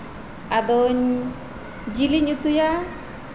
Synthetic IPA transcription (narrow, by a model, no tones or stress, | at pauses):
ad̪ɔɲ | d͡ʒiliɲut̪uja